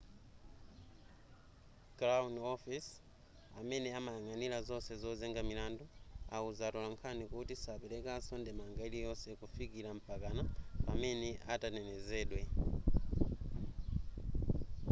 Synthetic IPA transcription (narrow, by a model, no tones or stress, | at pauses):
kɾaunɔfis | amɛnɛamajaŋanilazɔsɛzɔzɛŋɡamilandua̰uzatɔlaŋkʰanikutisapɛlɛkasɔndɛmaŋɡailijɔsɛkufikilam̩pakanapamɛnɛʔatanɛnɛzɛːɗwɛ